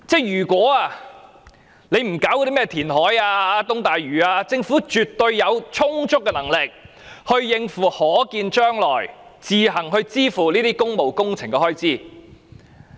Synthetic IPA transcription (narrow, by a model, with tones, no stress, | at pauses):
t͡sɛː˥˩jyː˨˩kʷɔː˨˥aː˧ | ne˨˧jm̩˨˩kaː˨˥wkɔ˧ɾi˥mɛː˥t̪ʰiː˨˩nɦɔː˨˥jaː˧aː˧t̪ʊ˥ŋt̪aː˨jɥyː˨˩aː˧t͡sɪ˧ŋfuː˨˥t͡ʃyː˨t̪ːɵ˧ɥjɐ˨˧wt͡ʃʰʊ˥ŋt͡sʊ˥k̚ːɛ˧nɐ˨˩ŋlɪ˨k̚ | hɵ˧ɥjɪ˨˧ŋfuː˨˩hɔː˨˥kiː˧nt͡ʃœː˥ŋlɔː˨˩jt͡siː˨˧ɦɐ˨˩ŋhɵ˧ɥt͡siː˥fuː˨˩niː˥t̪iː˥kʊ˥ŋmo˨wkʊ˥ŋt͡sʰɪ˨˩ŋkɛ˧hɔː˥jt͡siː˥